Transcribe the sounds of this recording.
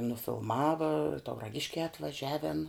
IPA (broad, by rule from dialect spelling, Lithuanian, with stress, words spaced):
nʊfʲɪlˠˈmɑːʋɐ tɐʊrɐˈɡʲɪʃʲkʲɛː ɐtʋɐˈʒʲæːʋʲɛn